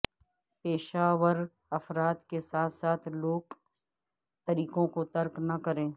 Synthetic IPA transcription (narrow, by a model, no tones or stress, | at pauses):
peːʃaːʋəɾ | ɐfɾaːt̪kesaːt̪ʰsaːt̪ʰloːɡ | t̪ɐɾiːkõkot̪ɐɾknɐkɐɾẽː